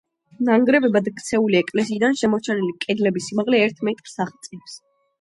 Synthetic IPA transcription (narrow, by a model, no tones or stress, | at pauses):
naŋɡɾɛbɛbad̪akʰt̪sʰɛuliɛkʼlɛsiːd̪anʃɛmɔt͡ʃʰɛnilikʼɛd̪lɛbisimaʁlɛːɾt̪ʰmɛt̪ʼɾsaχt̪sʼips